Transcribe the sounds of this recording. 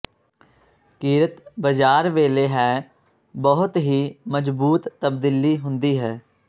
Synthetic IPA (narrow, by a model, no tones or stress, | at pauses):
kiːɾət̪bəd͡ʒaːɾʋeːleːɦɛː | bəɦʊt̪ɦiːməd͡ʒbuːt̪ːəb̚d̪iliːɦʊnd̪iːɦɛː